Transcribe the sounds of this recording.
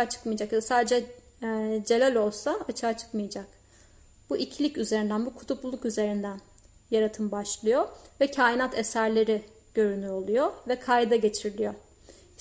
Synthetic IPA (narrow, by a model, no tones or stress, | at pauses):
t͡ʃʰɯ̥kmɯjad͡ʒakjad̪asaːd̪ed͡ʒɛ | d͡ʒe̞lʲælʲo̞lˠsaat͡ʃʰaːt͡ʃʰɯ̥kmɯjad͡ʒak | b̥uʔicʰlʲicyzeɾind̪ænbukʰu̥t̪ʰuplˠulˠukyze̞ɾind̪æn | jaɾat̪ʰɯmbaʃlˠɯjovɛcʰaːjinat̪ʰesæɾlʲe̞ɾi | ɟ̥ø̞ɾynyɾo̞lˠujovɛkʰajd̪aɟe̞t͡ʃʰiɾlʲijo